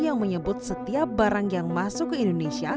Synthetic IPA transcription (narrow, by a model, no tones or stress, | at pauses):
jaŋməɲəbʊt̪̚sət̪iap̚baɾaŋjaŋmasʊkːəindonesia